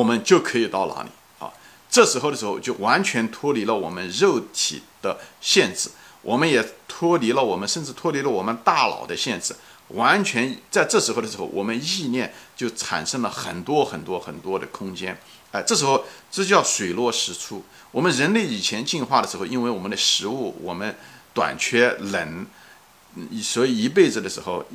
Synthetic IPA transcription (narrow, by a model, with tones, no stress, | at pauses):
wɔ˨˩mə˦nt͡ɕjo˥˩ʊkʰɤ˧˥i˨˩t̪ɑ˥˩ʊla̰˧˥nḭ˨˩˦ | ɐ̰˧ | ʈ͡ʂɤ˥˩ʂɻ̩˧˥xo˥ʊd̪ə˩ʂɻ̩˧˥xo˥˧ʊt͡ɕjo˥˩ʊwa˧˥nt͡ɕʰɥɛ˧˥nt̪ʰwɔ˥li˧˥lə˧wɔ̰˨˩mə˦nɻo˥˩ʊt̪ʰḭ˨˩d̪̥ə˦ɕjɛ˥˧nʈ͡ʂɹ̩˥˩wʔɔ˨˩mə˦njɛ˨˩t̪ʰwɔ˥li˧˥lə˧wɔ˨˩mə˦nʂə˥˧nʈ͡ʂɻ̩˥˩t̪ʰwɔ˥li˧˥lə˧wɔ˨˩mə˦nt̪a˥˩lɑ̰˨˩ʊd̪ə˦ɕjɛ˥˧nʈ͡ʂɻ̩˥˩wa˧˥nt͡ɕʰɥɛ˧˥n˥t͡sa˥˧ɪʈ͡ʂɤ˥˩ʂɻ̩˧˥xo˥ʊd̪ə˩ʂɻ̩˧˥xo˥˩ʊwʔɔ̰˨˩mə˦ni˥˧njɛ˥˧nt͡ɕjo˥˩ʊʈ͡ʂʰa̰˨˩nʂɤ˥ŋlə˨xə̰˨˩nt̪wɔ˥xə˨˩nt̪wɔ˥xə˨˩nt̪wɔ˥d̪ə˨kʰʊ˥ŋt͡ɕjɛ˥n | a˧ʈ͡ʂɤ˥˩ʂɻ̩˧˥xo˥˧ʊʈ͡ʂ̩˥˧t͡ɕjɑ˥˩ʊʂwe˨˩ɪlwɔ˥˩ʂɻ̩˧˥t͡sʰu˥˩ | wɔ˨˩mə˦nɻə˧˥nle˥˩ɪi˨˩t͡ɕʰjɛ˧˥nt͡ɕi˥˧nxwa˥˩d̪ə˩ʂɻ̩˧˥xo˥˧ʊi˥nwɪwɔ˨˩mə˦nd̪ə˧ʂɻ̩˧˥u˥˩wɔ̰˨˩mə˦nt̪wa̰˨˩nt͡ɕʰɥɛ˥lə˧˥n˧˩ | swɔ˧˥i˨˩i˧˥p̬e˥˩ɪʈ͡ʂɻ̩˩d̪ə˩ʂɻ̩˧˥xo˥˧ʊ